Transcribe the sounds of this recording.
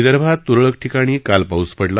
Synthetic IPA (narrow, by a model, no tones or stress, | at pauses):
d̪əɾbʱat̪ːuɾɭək̚ʈʰikaɽ̃iːkalpauspəɽla